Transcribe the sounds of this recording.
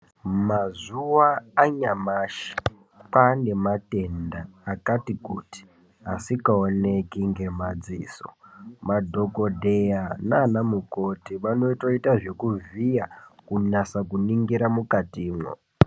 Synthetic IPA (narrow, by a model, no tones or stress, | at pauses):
mazuwaːɲamaːʃi̥ | pane̞mate̞ndaːkatikuti̥ | asikaone̞kiŋɡe̞mad͡zḭːso̰madʱo̞ko̞dʱejananamukotiʋano̞ito̞itaʐe̞kuvijakunasakuniŋɡiɾamukatiːmwo̰